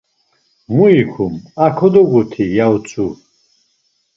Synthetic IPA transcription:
muikʰumakʰɔd̪ɔɡut̪ʰijawt͡sʰʼu

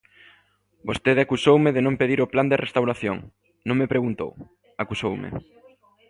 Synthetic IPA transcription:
bost̪eðakusowmɪðenõmpeðiɾʊpland̪erest̪awɾaθjo̰ŋ | nõŋmepɾeɣunt̪o̰w | akusowmɪ̰

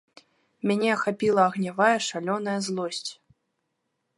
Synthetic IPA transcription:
mʲanʲɛxapʲilˠɐːɣnʲavajɛʂalʲɔnɐjɐzlˠɔsʲt͡sʲ

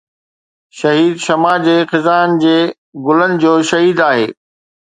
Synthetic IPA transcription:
ʃɐɦiːd̪ʃɐmaːd͡ʑeːxɪzaːnɪ̆d͡ʑeː | ɡʊlənɪ̆d͡ʑoːʃɐɦiːd̪aːɦḛː

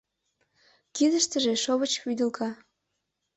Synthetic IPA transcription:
kid̪ə̆ʃt̪ə̆ʒeʃoβət͡ɕpyd̪ə̆lkɑ

